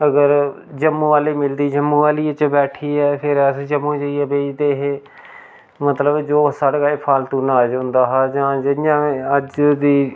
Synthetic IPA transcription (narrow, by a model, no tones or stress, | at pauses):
əɡəɾd͡ʒəmːũːʋaːliːmɪld̪iːd͡ʒəmːũːʋaːliːət͡ʃbɛːʈʰiːɛːpʰɪɾəsd͡ʒəmːũːd͡ʒəiɛːbeːd͡ʒd̪eːɦeː | mət̪ləbd͡ʒoːsaɽɡaːeːpʰaːlt̪uːnaːd͡ʒãːnd̪aːɦaːd͡ʒãːd͡ʒɪɪjãːəd͡ʒd̪iː